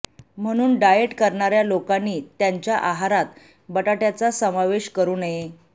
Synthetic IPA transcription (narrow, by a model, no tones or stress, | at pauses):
m̤əɽ̃uːnɖajeʈkəɾɳaɾjalokanːiːt̪jaɲt͡ɕjaʔaɦaɾat̪ | bəʈaʈjat͡sasəmaʋeɕkəɾuːnje